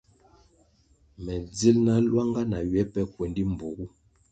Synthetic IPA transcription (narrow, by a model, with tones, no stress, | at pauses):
mɛ˨d͡zi˦lna˦lwa˦ŋɡa˦na˨ɥɛ˨˦pɛ˦kwɛ˨ndi˦m˨bu˨ɡu˦